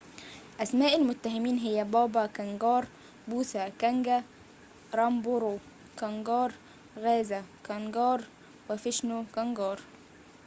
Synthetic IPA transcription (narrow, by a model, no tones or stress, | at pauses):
ʔæsmaːʔɪlmʊt̪ːaɦɪmiːnɦɪjːæbɑːbɑkæŋɡɑːɾˤ | buːsækæŋɡæ | ɾˤɑmboɾo | kɑŋɡɑːɾˤ | ɣæːzækɑnɡɑːɾˤ | wɪfɪʃnokɑŋɡɑːɾˤ